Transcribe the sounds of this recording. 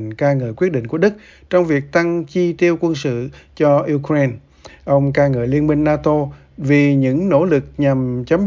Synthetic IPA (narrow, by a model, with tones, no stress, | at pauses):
nkaː˧ŋə̰ː˧˨jkwət̚ɗḭ̈˧˨ŋku˧˩əɗɨ˦˥k̚ | t͡ɕɔ˧wŋ͡mvi˨˩ək̚t̪a˧ŋt͡ɕi˧t̪i˧əwkwə˧nsɨ̰˧˨t͡ɕɔ˧ʔi˧kɾe˧n | ʔə˧wŋ͡mkaː˧ŋə̰ː˧˨jli˧ənmï˧ŋ̟naː˧t̪o˧ | vi˨˩ɲɨ̰˧˥ŋno̰˧˥lɨ˨˩k̚ɲa˨˩mt͡ɕə˨˦m